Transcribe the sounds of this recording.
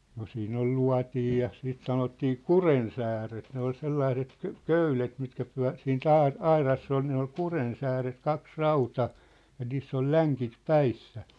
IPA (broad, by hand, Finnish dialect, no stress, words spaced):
no siːn ol luɑ̝tij jɑ siːt sɑnotːiː kurensæːret ne ol selːɑĭset kø̆ køylet mitkæ pyæ̝ siːnt ɑi ɑirɑsː ol ne ol kurensæːret kɑks rɑutɑ jɑ niːsː ol læŋkit pæisːæ